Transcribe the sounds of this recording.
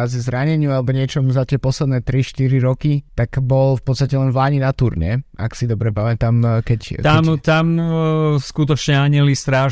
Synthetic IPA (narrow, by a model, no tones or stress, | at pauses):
azizɾaɲɛɲɪualɛbɔɲɪɛt͡ʃɔmuzat̪ɪɛpɔslɛd̪nɛːt̪ɾiʃt̪iɾiɾɔkit̪aɡbɔlfpɔt̪st̪acɛlɛnvlaːɲinat̪uɾɲɛ̰a̰ksid̪ɔbɾɛpamɛt̪amkɛct̪amt̪am | skut̪ɔt͡ʃɲɛaɲɛlist̪ɾaːʒ